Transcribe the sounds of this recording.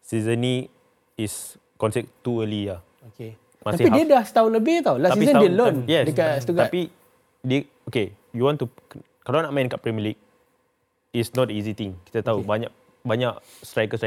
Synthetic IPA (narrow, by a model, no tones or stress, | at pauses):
sizəni | is | kɔnsɛk̚t̪uəlija | oke | mat̪asipidiədahst̪auləbɪt̪awlaasizəndiəlonjɛsdəkasət̪uɡ̪atpi | də | oke | juwɔ̃nt̪u | kalanaʔmãj̃ĩnkaʔpɾɛmjiəlik̚ | isnɔt̚dəizit̪ĩŋki̥t̪ət̪aubaɲaʔ | baɲaʔ | stɾajkəstɾa